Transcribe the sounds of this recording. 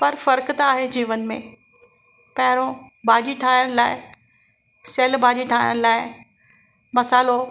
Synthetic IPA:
pɐɾfɐɾkt̪aːɦed͡ʑiːʋənɪ̆mḛ̃ | pɐɦɪɾõbʱaːd͡ʑiʈʰaːɪjəɽ̃laːɪ | seːlbʱaːd͡ʑiʈ̪ʰaːjə̰ɽ̃laːɪ | mɐsaːɪlo

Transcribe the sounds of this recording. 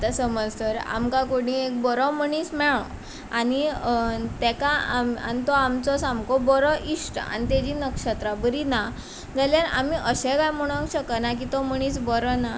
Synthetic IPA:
t̪asəməd͡zsəɾa̰mkãkoɽĩek̚bɔɾɔməɳ̃iːsmɛɭɔ̃ | ani | t̪ɛkaama̰nit̪ɔamt͡sɔsamkɔbɔɾɔʔiʂʈa̰nit̪ɛd͡ʑinəkʂət̪ɾabəɾina | d͡zaljaɾa̰miʔəɕɛ̃kajm̤əɽ̃akɕəkənak̬it̪ɔməɽ̃iːsbɔɾɔna

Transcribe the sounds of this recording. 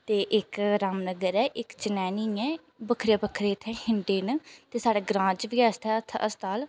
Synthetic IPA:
t̪eːʔɪkɾaːmnəɡəɾɛːʔɪkt͡ʃənɛːniːɛ̃ː | bəkʰɾeːbəkʰɾeːt̪ʰɛːhɪɳɖeːnt̪eːsaːɽeːɡɾãːt͡ʃʋiːast̪ʰɛːt̪ʰə̰st̪aːl

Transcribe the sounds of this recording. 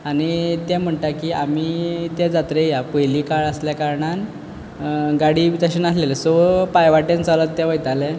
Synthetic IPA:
aɽ̃it̪ɛ̃m̤əɳʈ̪akiːamiːt̪ɛd͡zat̪ɾejapəjliːkaɭəsljakaɾɳan | ɡaɽiːʋit̪əɕənaslelesopajʋaʈẽnt͡salət̪ːɛ̃ʋəjt̪alɛ

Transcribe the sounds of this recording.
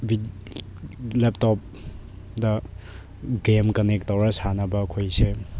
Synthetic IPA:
bi | lep̚tɔp̚ | dɐ | ɡemkɐnek̚tɐwɾɐsanɐbɐkʰojse

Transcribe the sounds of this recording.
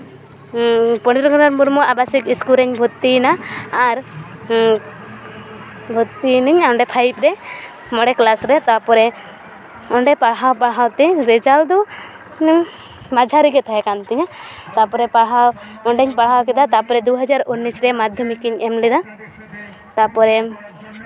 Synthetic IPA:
pɔɽ̃it̪ɾɔɡʰɔnaɾmuɾmɔabasikiskuɾɛɲbʱut̪ːinaːɾ | bʱut̪ːiniɲaɔɳɖɛpʰajip̚ɾɛ | mɔɽɛklasɾɛt̪apɔɾɛ | ɔɳɖɛpaɽɦawpaɽɦawt̪ɛɾɛd͡ʒald̪ɔ | nɲ | mad͡ʒʱaɾiɡɛt̪ʰajɛkant̪ɛɲat̪apɔɾɛpaɽɦawɔɳɖɛɲpaɽɦawkɛd̪at̪apɔɾɛd̪uɦad͡ʒaɾunːisɾɛmad̪ʱjɔmikiɲɛmlɛd̪a | t̪apɔɾɛ

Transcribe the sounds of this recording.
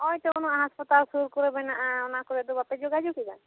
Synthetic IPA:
ɔjt̪ɔkɔnɔaɦaspɔt̪alsuɾkɔɾɛbɛnaʔaɔnakɔɾɛd̪ɔbapɛd͡ʒoɡad͡ʒuɡiba̰n

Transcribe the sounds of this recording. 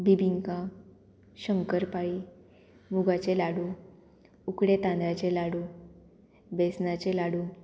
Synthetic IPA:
bibiŋkã | ɕəŋkəɾpai | muɡat͡ɕelaɽu | ukɽet̪ãnd̪ɾat͡ɕelaɽuː | besnat͡ɕelaɽuː

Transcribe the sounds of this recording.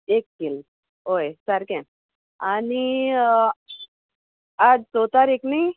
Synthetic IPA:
ekːil | ɦojsaɾkɛ̃ | ani | ad͡zsot̪aɾeknaj

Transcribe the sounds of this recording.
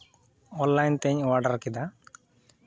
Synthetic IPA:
ɔnlajnt̪ɛɲwaɖaɾkid̪a

